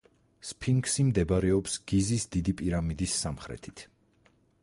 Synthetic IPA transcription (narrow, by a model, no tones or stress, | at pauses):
spʰiŋɡsimd̪ɛbaɾɛɔpsɡ̥izisd̪id̪ipʼiɾamid̪isːamχɾɛ̰t̪ʰi̥t̪ʰ